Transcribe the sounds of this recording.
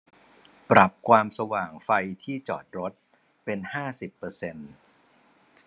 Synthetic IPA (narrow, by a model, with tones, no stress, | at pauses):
pɾa˨˩p̚kʰwaː˧msa˧waː˨˩ŋfa˧jt̪ʰiː˥˩t͡ɕɔ̰ː˨˩t̪̚ɾo˦˥t̪̚ | pe˧nhaː˥˩si˨˩pːɤː˧se˧n